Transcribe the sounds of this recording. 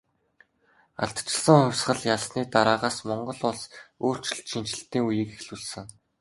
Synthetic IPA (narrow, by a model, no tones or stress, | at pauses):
a̰ɬt̪t͡ɕɪ̆ɮsə̆ŋχʊwʲsɢə̆ɮjaɮsniːt̪aɾaːʁaːsmɔɴɢɞ̆ɮʊɮsoːr̥t͡ɕɪ̆ɬt̪ʃin̥t͡ɕɪ̆ɬt̪ːiːŋujiːkexɮuɮsɘ̆ŋ